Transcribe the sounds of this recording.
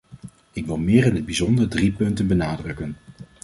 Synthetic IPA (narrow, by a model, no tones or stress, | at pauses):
ɪkʋɪlˠmɪːɾɪnɦəd̚bizɔndərdripɵntənbənaːdrɵkən